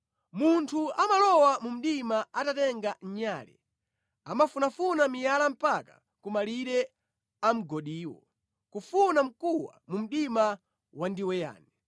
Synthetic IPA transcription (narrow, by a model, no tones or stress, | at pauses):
muntʰuamalɔwamum̩ɗimaatatɛŋɡaɲaːlɛ̰ | amafunafunamijalam̩pakḁ̰ | kumaliɾɛ | am̩ɡɔɗiːwɔ̰ | kufunam̩kuwa̰mum̩ɗima | wandiwɛja̰ːnɛ